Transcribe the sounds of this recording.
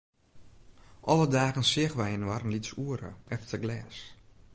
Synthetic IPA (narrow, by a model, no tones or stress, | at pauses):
ʔɔlədaːɣənsɪɣʋɛjənwarnlitsuəɾə̰ɛftəɡlɛːs